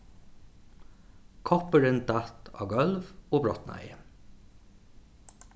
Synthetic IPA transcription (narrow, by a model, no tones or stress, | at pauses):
kʰɔpəɾɪn̚d̪æt̪ʰɑ̰ːɡɔlʋoːbɹɔt̪næ̰ɪə